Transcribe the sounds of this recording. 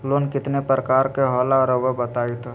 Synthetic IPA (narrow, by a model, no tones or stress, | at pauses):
loːnkɪt̪nepɾəkaːɾkeɦɔːlaɾəʋəbət̪aːit̪o